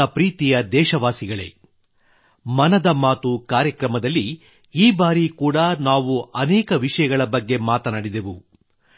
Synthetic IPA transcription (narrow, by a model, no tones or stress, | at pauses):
ɐpɾiːt̪ijɐd̪ɛːʃɐʋaːsiɡɐɭe̞̰ | mɐnɐd̪ɐmaːt̪ukaːɾjɐkɾɐmɐd̪ɐlːi | iːbaːɾikuːɽɐnaːʋuɐnɛːkɐʋiʂɐjɐɡɐɭɐbɐɡːe̞maːt̪ɐnaːɽid̪e̞ʋu